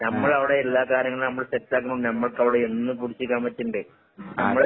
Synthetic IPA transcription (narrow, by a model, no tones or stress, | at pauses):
nɐmmːɐɭɐʋiɽe̞ːlːaːkaːɾjɐŋːɭilnɐmːɐɭsetːlaːkːunuɳɖɨnɐmːɐɭkɐʋiɽeenːɨpuɽit͡ɕːikʲːaːmʋɐt͡ɕːuɳɖɨ | nɐmːɐɭ